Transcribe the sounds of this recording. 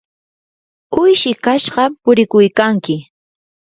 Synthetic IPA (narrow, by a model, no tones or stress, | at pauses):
ʊjʃɪkaʃɢɑpʊɾɪkʊjkaŋkɪ